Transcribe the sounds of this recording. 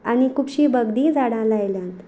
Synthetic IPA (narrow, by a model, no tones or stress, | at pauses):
añikupɕiːbəɡd̪iːd͡zaɽãlajljãt̪